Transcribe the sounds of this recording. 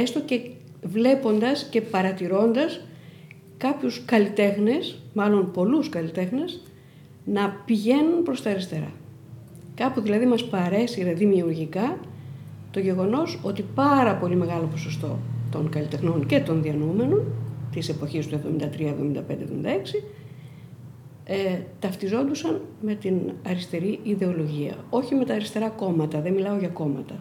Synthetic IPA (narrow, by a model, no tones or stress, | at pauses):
est̪o̞ce̞ | vle̞po̞nd̪ɐsce̞pɐɾɐt̪iɾo̞nd̪ɐs | kɐpçuskɐlit̪e̞xne̞smɐlo̞npo̞luskɐlit̪e̞xne̞z | nɐpiʝe̞nunpɾo̞st̪ɐɾist̪e̞ɾɐ̰ | kɐpuðilɐðimɐspɐɾe̞siɐðimiuɾʝikɐ | t̪o̞ʝe̞ɣo̞no̞so̞t̪ipɐɾɐpo̞lime̞ɣɐlo̞po̞so̞st̪o̞t̪o̞ŋkɐlit̪e̞xno̞nce̞t̪o̞nðiɐnume̞no̞nt̪ise̞po̞çist̪uevðomind̪ɐt̪ɾiɐevðo̞mind̪ɐpend̪evðomind̪ɐeksi | et̪ɐft̪izo̞nd̪usɐnme̞t̪inɐɾist̪e̞ɾiiðe̞o̞lo̞ʝiɐ̰o̞çime̞t̪ɐːɾist̪e̞ɾɐko̞mɐt̪ɐðemilɐo̞ʝɐko̞mɐ̰t̪ɐ